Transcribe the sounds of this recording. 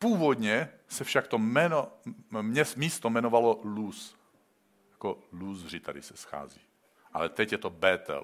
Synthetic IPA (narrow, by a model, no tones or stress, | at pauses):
puːvod̪ɲɛsɛfʃakt̪omɛnomɲɛsmiːst̪omɛnovalolus | jḁkoluzrit̪adisɛ̥sxa̰ːzḭ | ʔa̰lɛt̪ɛcjɛt̪obɛːt̪ɛ̰l